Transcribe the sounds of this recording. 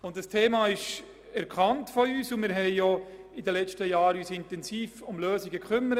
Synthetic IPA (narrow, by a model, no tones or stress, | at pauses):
ʊntdəstʰeːmɑːɪʃ | ɛɾkʰɑntfɔyːsʊmɪːɾɦɛɪjɔ | ɪdəlɛt͡ʃtəjɑːɾyːsɪntɛnsiːfʊmløːsiɡəkχʏmːəɾə